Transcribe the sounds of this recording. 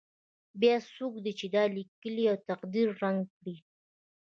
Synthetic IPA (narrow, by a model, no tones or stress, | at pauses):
bjasukd̪it͡ʃɪd̪alɪkəlijawt̪aqd̪iɾːaŋɡpɽi